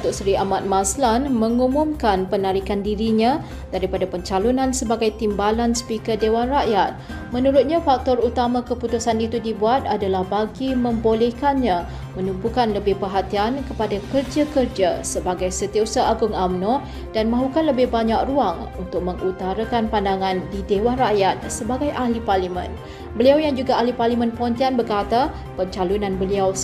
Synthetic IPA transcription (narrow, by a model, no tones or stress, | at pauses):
t̪ʊʔsɾiamat̪̚maslanmə̃ŋumʊmkanpənaɾikandiɾiɲã | daɾipadapəɲt͡ʃalunãnsəbaɡajt̪imbalansə̥pikədewanraʔjat̪̚ | mənuɾʊt̪̚ɲãfak̚t̪ɔrut̪amãkəput̪usanit̪udibuat̪̚adalahbaɡimə̃mbolɛhkanɲã | mənubukanləbɪhpəɦat̪iankəpadakərd͡ʒakərd͡ʒasəbaɡajsət̪iəsaʔaɡʊŋamnɔ | d̥anmãɦukanləbɪhbaɲak̚ruaŋ | unt̪ʊk̚məŋʔut̪aɾakanpandaŋãndidewanraʔjat̪̚səbaɡajʔaliparlimə̰̃n | bəliawjaŋd͡ʒuɡaʔaɦliparlimə̃npont̪ianbərkat̪a | pəɲt͡ʃalunãnbəliaw